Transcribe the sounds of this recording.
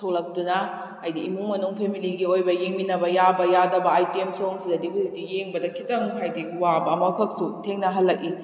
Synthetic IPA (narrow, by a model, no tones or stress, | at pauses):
tʰowlɐk̚tunɐː | jdiːmuŋmɐnuŋpʰemiliɡiojbɐjeŋminɐbɐjabɐjadɐbɐajtiemsoŋsidɐdipʰisitijeŋbɐdɐkʰitɐmɦajdiwabɐːmɐkʰɐk̚sutʰeŋnɐɦɐlːɐk̚i